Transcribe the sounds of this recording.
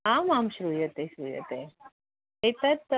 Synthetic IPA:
ãmamɕɾuːjət̪eɕɾuːjə̰t̪e | et̪at̪

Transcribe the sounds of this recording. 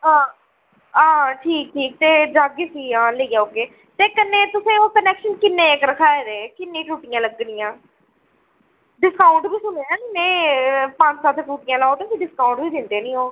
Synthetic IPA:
ɦãː | ãːʈʰiːk̚ʈʰiːk̚t̪eːd͡ʒaːɡeːsiːãːləiːɡaːoːkeː | t̪eːkənːẽːt̪ʊsẽːoːkənɛːkʃənkɪnːeːekɾəkʰaːeːd̪eːkɪnːẽːʈuːʈɪjãːləɡnɪjãː | ɖɪskaːʊɳʈbʱiːsʊneːɛnmɛ̃ːpãnt͡ʃsaːt̪ʰːʈuːʈɪjãːlaːot̪osĩɖɪskaːuɳʈbʱiːd̪ɪnd̪eːnĩːoː

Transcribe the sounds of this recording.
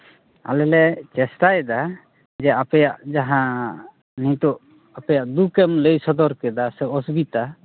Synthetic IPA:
a̰lɛlɛt͡ʃɛsʈajd̪a | d͡ʒɛapɛjaʔd͡ʒaɦã | nit̪ɔʔ | apɛjaʔd̪ukɛmlejsɔd̪ɔɾkɛd̪asɛɔsbit̪a

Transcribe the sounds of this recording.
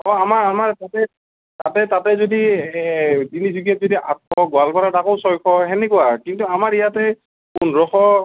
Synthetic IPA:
ɔamaɹamaɹtatɛ | tatɛtatɛzodi | tinizuɡijɔt̚zodiʔa̰t̚ɔɡʊalpɔɹadakoʊsɔjkʰɔɦɛnɛkuakintuamaɹijatɛ | kunɹɔxɔ

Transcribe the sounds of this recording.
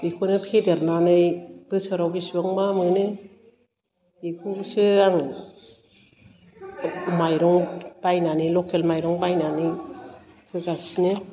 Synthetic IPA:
bikʰunɯpʰedeɾnanɯjb̥ɯsɯɾawbisuaŋmamɯnɯ | ikʰusɯaŋ | majɾɔŋb̥ajnanilɔkʰelmajɾɔŋbajnani | kʰɯɡasnɯ

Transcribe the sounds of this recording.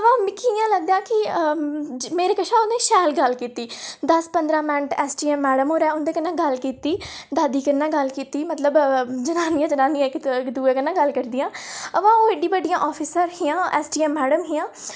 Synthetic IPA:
əʋãːmɪkʰːijãːləɡ̚d̪ãːkɪ | meːɾeːkəʃʰãːʊnẽːʃɛːlɡəlkiːt̪iːd̪əspənd̪ɾãːmɛ̃ːɳʈɛːsʈiːɛːmːɛːɖəmɦoːɾɛːʊnd̪eːkənːãːɡəlkiːt̪iːd̪aːd̪iːkəɾnːãːɡəlkiːt̪iːmət̪ləbd͡ʒənaːnĩãːd͡ʒənaːnĩjãːɪkkd̪uːeːkənãːɡəlkəɾd̪ijãːəʋãːoːɪɖĩːbəɖijãːʔɔːpʰiːsəɾɦɪjãːʔɛːsʈiːɛːmːɛːɖəmɦɪjãː

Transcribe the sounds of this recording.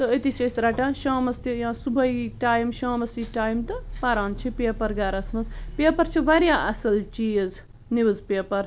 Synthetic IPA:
t̪ɐət̪it͡ʃɐjsɾaʈãːʃãːmɐst̪ijãːsubʱɐiʈaːjmʃãːmɐsiʈaːjmt̪ɐpaɾaːnt͡ʃʰipeːpɐɾɡaːɾɐsmɐzpeːpɐɾt͡ʃʰiʋaɾjaːʔɐsɐlt͡ʃiːz | niʋɐzpeːpɐɾ

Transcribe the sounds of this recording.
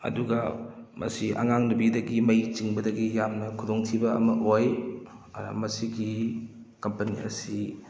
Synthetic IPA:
ɐ̰duɡɐmʔɐ̰siʔɐ̰ŋaŋnɐbidɐɡimɐjt͡ʃiŋbɐdɐɡijamnɐkʰudoŋtʰibɐɐ̰mɐʔoj | ɐ̰ɾɐ̰mɐsiɡi | kɐmpɐnḭɐ̰si

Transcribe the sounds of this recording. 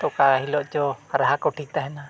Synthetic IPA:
t̪ɔkaɦilɔʔd͡ʒɔɾaɦakɔʈʰik̚t̪aɦɛna

